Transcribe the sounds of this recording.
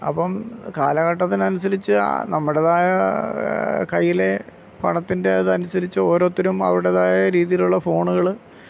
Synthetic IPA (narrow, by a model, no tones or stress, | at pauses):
ɐ̰pːɐmka̰ːlɐɣɐʈːɐt̪ːinɐnusɐɾit͡ɕːɨ̰nɐmːuɽeðaːjɐ | kɐjːile̞ | pɐ̰ɳɐt̪ːinde̞ɐðɨɐnusɐɾit͡ɕːɨo̞ːɾo̞ːt̪ːɐɾumɐ̰ʋiɽeðaːjɐɾiːðijiluɭːɐfo̞ːɳuɣɐɭ